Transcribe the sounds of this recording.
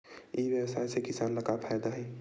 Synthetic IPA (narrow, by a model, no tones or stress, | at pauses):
ibjəwsaːjsekɪsaːnləɡapʰaːjd̪aɦɛ